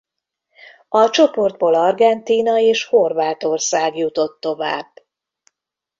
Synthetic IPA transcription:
ɒt͡ʃo̞po̞rd̪̚boːlɒrɡɛnt̪iːnɒeːʃho̞rvaːt̪o̞rsaːɡjut̪o̞t̪ːo̞va̰ːb

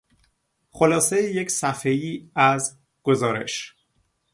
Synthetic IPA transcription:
xo̞lɒːsejejecʰsæfejiːæz | ɡ̥o̞zɒːɾe̞̰ʃ

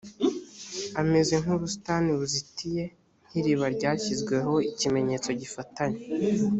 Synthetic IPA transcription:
ame̞ze̞ŋ̥huɾusu̥taːniβuzitije̞ | n̥hiɾiβaɾɟaːçizɡwe̞ho̞icime̞ɲe̞ːt͡so̞ɟifataɲe

